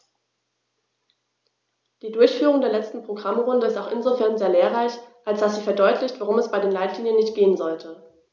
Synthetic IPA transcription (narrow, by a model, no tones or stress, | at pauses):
d̥iːdʊɐçfyːʁʊŋdeːɐlɛt͡stn̩pʁ̥oɡʁamʁʊndəɪstaʊxʔɪnzofɛɐnzeːɐleːɐʁaɪçʔalsd̥asz̥iːfɛɐdɔʏtʰlɪçtv̥aʁʊmɛsb̥aɪdeːnlaɪtliːnjənːɪçt̚ɡ̥eːənzɔltʰə